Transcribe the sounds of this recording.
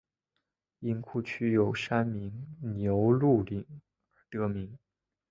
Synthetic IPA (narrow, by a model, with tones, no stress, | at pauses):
i˥nkʰu˥˩t͡ɕʰy˥jo˨˩ʊʂa˥nmi˧˥ŋnjo˧˥ʊlu˥˩li˨˩˦ŋ | ə˞˧˥t̪ɤ˧˥mi˧˥ŋ